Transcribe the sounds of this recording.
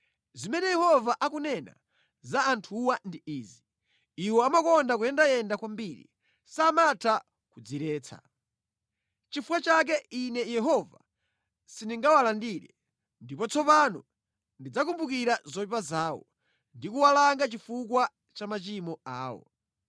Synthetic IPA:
zimɛnɛjɛhɔvaʔak̬unɛna̰ | zaːntʰuwandiiːzi | iwɔamakɔndak̬ujɛndajɛndakwambiɾḭ | saːmatʰa | kud͡ziɾɛːt͡sʰa̰ | t͡ʃifukat͡ʃak̬ɛinɛjɛɦɔva̰ | siniŋɡawalandiːɾɛ | ndipɔt͡sʰɔpanɔ | ndid͡zakumbukiɾazɔipazaːwɔ̰ | ndikuwalaŋɡat͡ʃifukwa | t͡ʃamat͡ʃimɔaːwɔ̰

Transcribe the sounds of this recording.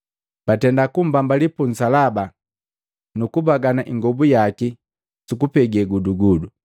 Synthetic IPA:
b̥atɛndakum̩bambalipun̩salaba | nukubaɡanaʔiŋɡɔbujaki | sukupɛɡɛɡuduɡudu

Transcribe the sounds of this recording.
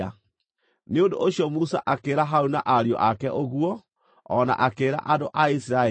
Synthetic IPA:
a | neondo̰ʔoɕjɔmusa̰ʔakeɾaɦaunaʔaɾiɔ̰ʔakɛʔoɣwɔ | ɔna̰ʔakeːɾa̰ʔadoʔaisiɾa

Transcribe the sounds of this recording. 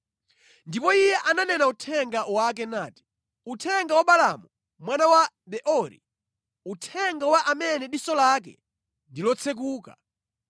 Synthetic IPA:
ndipɔijɛʔananɛnautʰɛŋɡawak̬ɛnaːti̥ | utʰɛŋɡawaɓala̰mu | mwanawa | ɓɛʔɔɾḭ | utʰɛŋɡawaʔamɛnɛɗisɔlak̬ɛ̰ | ndilɔt͡sʰɛk̬uːka̰

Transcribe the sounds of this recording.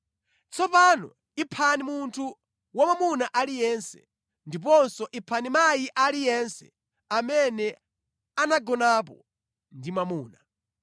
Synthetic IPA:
t͡sʰɔpanɔ̰ | ipʰanimuntʰu | wamamunaʔalijɛnsɛ̰ | ndip̬ɔnsɔʔipʰanimajiʔalijɛnsɛ̰ | amɛnɛ | anaɡɔnap̬ɔ̰ | ndimamuːna

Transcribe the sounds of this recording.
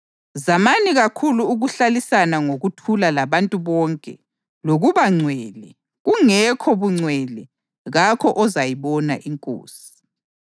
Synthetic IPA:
zamaniɣakʰuluːɣuɬalisanaŋoɣutʰulalaβantʼuβɔːŋkʼɛ̰ | loɣuβaŋ͡ǀwɛlɛ | ɣuŋɛkʰɔβuŋ͡ǀwɛlɛ | ɣakʰɔʔɔzajiβɔna̰ʔiŋkʼo̰ːsi̥

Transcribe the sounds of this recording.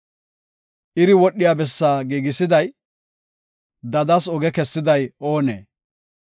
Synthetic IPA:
ʔɪɾɪwɔɗːɪjaːbɛsːaːɡiːɡɪsɪd̪ɐj | d̪ɐd̪ɐsɔɡɛkɛsːɪd̪ɐjo̞ːnḛː

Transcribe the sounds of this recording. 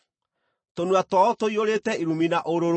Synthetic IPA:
tonwatɔɔtoioɾetɛiɾuminaʔoɾoɾ

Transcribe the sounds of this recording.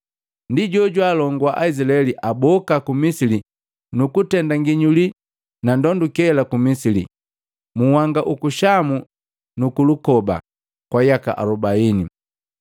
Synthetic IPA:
ndiɟɔɟwalɔŋɡwaʔaizilaɛliʔabɔkakumisili | nukutɛndaŋɡiɲuli | nandɔndukɛlakumisilḭ | muhaŋɡaʔukuʃamu | nukulukɔba̰ | kwajaka̰ʔa̰ɾɔbaini

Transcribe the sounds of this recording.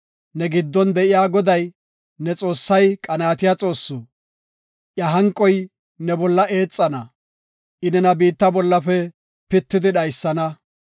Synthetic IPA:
nɛɡɪd̪ːɔnd̪ɛʔɪjaːɡɔd̪ɐj | nɛt͡sʼo̞ːsːɐjkʼɐnaːt̪ɪjaːt͡sʼo̞ːsːu | ʔjɐɦɐŋkʼːɔj | nɛbɔlːɐe̞ːt͡sʼːɐnɐ | ʔɪnɛnɐbiːt̪ːɐbɔlːɐpɛ | pɪt̪ːɪd̪ɪɗɐjsːɐnɐ

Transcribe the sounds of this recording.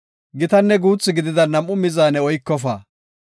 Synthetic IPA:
ɡɪt̪ɐnːɛɡuːt͡sːɪɡɪd̪ɪd̪ɐnɐmʔʊmɪzaːnɛɔjkːɔfa̰ː

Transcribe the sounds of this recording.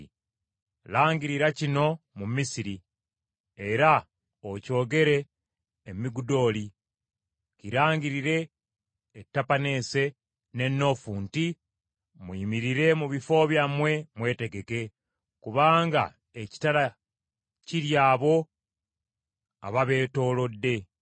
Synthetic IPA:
laːŋɟiɾiɾacino̞mumisiɾi | e̞ɾa | oco̞ːɡe̞ɾe̞ː | miɡudo̞ːli | ciɾaːŋɡiɾiɾe̞ː | tːapane̞ːse̞ | ne̞nːo̞fuːnti | mwiːmiɾiɾe̞muβifo̞ːβjamwe̞mwe̞ːte̞ɡe̞ke̞ | kuβaːŋɡa̰ | eci̥tala | ciɾjaːβo̞ | a̰βaβe̞ːto̞ːlo̞dːe̞

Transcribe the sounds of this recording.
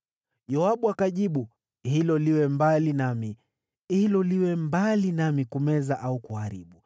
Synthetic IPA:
jɔaɓuakaʄiɓu | hilɔliwɛmbalinami | hilɔliwɛmbalinamikumɛzaʔaukuhaɾḭɓu

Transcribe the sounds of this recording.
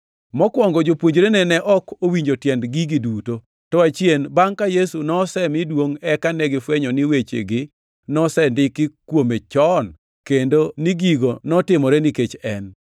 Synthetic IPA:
mɔkwɔŋɡɔd͡ʒopwoɲd͡ʒɾenɛnɛʔɔkowiɲd͡ʒotjɛndɡiɡɪduto | tɔat͡ʃjenbaŋkajesunɔsɛmɪdwoŋɛkanɛɡɪfwɛɲɔnɪwet͡ʃḛɡɪ | nɔsɛndɪkɪkwomet͡ʃɔn | kendoniɡiɡonɔtɪmɔɾɛnɪket͡ʃɛn

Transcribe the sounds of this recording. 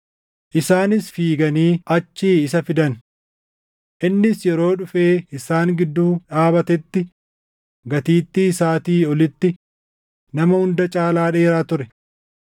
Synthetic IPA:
ʔɪsaːnɪsfiːɡɐniːʔɐt͡ʃːiːɪsɐfɪd̪ɐn | ʔɪnːɪsjɛɾo̞ːᶑʊfe̞ːɪsaːŋɡɪd̪ːuːᶑaːbɐt̪ɛt̪ːɪ | ɡɐt̪iːt̪ːisaːt̪iːɔlɪt̪ːɪ | nɐmɐhʊnd̪ɐt͡ʃʼaːlaːᶑe̞ːɾaːt̪ʊɾɛ

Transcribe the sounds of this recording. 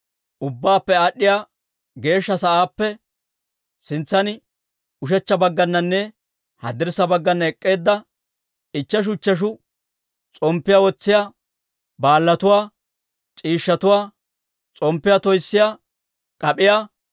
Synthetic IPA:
ʔʊbːaːpːɛaɗːɪjaː | ɡe̞ːʃːɐsɐʔaːpːɛ | sɪnt͡sːɐnɪ | ʊʃ̬ɛt͡ʃːɐbɐɡːɐnːɐnːɛ | hɐd̪ɪɾsɐbɐɡːɐnːɐɛkʼːe̞ːd̪ːɐ | ɪt͡ʃːɐʃ̬ʊt͡ʃːɐʃ̬ʊ | t͡sʼɔmpːɪjawɔt͡sːɪjaː | baːlːɐt̪ʊwaː | t͡ʃʼiːʃːɐt̪ʊwaː | t͡sʼɔmpːɪjaːt̪ɔjsːɪjaː | kʼɐpʼɪjaː

